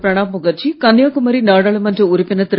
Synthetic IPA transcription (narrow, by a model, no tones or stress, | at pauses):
pɾɐɳaːmːʊɡɐɾt͡ʃikɐnjaːkʊmɐɾinaːɽɐlɯmɐnd͡ʒɐuɾipinɐt̪iɾ